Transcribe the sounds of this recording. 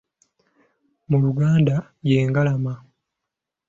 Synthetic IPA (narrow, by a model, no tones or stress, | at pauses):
muluɡaːnda | je̞ːŋɡalama